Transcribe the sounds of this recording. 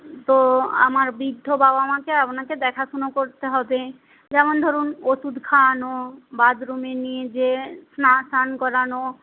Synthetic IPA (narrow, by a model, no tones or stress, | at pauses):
t̪oa̰maɾbid̪ʱːobaoamakeapnaked̪ɛkʰaʃunokoɾt̪eɦɔbe | d͡ʑɛmond̪ʱoɾunoʃud̪ʱkʰanobad̪ɾumenijed͡ʑesnasankɔɾano